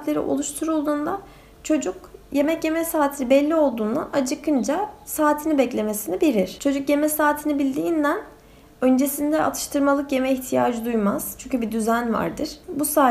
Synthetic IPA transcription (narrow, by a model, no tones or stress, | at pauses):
t̪lʲe̞ɾḭʔo̞̰lˠuʃt̪ʰuɾulˠd̪uːnd̪a | t͡ʃʰo̞d͡ʒukje̞mɛcje̞mɛsaːt̪ʰinibɛlʲːio̞lˠd̪uːnd̪aʔad͡ʒɯkʰɯnd͡ʒasaːt̪ʰinibɛclʲe̞me̞sinibeɾiɾ̥t͡ʃʰo̞d͡ʒukje̞mɛsaːt̪ʰinibilʲd̪iːnd̪æn | ø̞nd͡ʒe̞sind̪ɛʔa̰t̪ʰɯ̥ʃt̪ʰɯɾmalˠɯkje̞mɛiçt̪ʰija̰ːd͡ʒɯd̪ujmaz̥t͡ʃʰyɲʲcʰybid̪yzænva̰ɾd̪ɯɾ̥busaː